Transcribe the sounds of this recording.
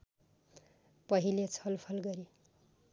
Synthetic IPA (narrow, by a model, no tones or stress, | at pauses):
pʌɦilet͡sʰʌlpʰʌlɡʌɾi